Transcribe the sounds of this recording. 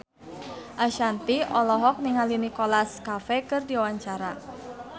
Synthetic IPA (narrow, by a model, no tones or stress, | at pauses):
ʔaʃant̪iɔlɔɦɔk̚niŋalinikolaskafɛkɨrdiawaɲt͡ʃaɾa